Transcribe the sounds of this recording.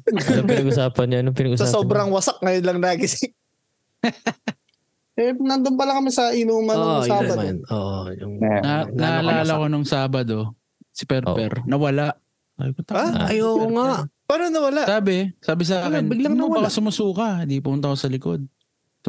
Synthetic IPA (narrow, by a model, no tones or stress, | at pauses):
oɪɐɡʊsaːpɐnoɐnoŋpɪnɐɡʊsɐsoːbɾɐŋwɐsak̚ŋɐjonlɐŋlaːɡɪsɪ | ɛnɐnd̪onpɐlɐŋkɐmɪsɐʔɪnuːmɐaːbɐnoʔjʊŋnanalaːlɐkonoŋsaːbɐd̪o̞ | sɪpɛɾppɛ̰ɾnɐwɐlaʔ | a̰bɪkʊt̪ɐaɐjokoŋapaːnonɐwɐlaʔsaːbɛsaːbɪs̬ɐaːkɪnbɪɡlɐŋnowpɐkɐsʊmɐsuːkɐnd̪ipʊmʊnt̪ɐkosɐlɪkod̪̚